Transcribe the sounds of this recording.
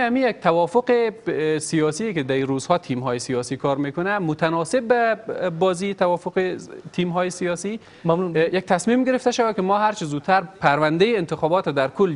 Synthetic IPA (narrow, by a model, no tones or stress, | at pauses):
amijak̚t̪ʰawɒfoqesijɒsijekɪd̪æiɾuzhɒt̪ʰimɦɒːjesijɒsikʰɒɾmekʊnamʊt̪ʰanɒsɪb̚ːæbɒzit̪awɒfoqet̪ʰimɦɒːjesijɒsi | mujak̚t̪ʰasmimɡɪɾeft̪aʃawækɪmɔːɦaɾt͡ʃɪzut̪ʰːaɾpʰæɾʋand̪ejeːnt̪ɪxɒːbɒt̪ad̪æɾkʰʊl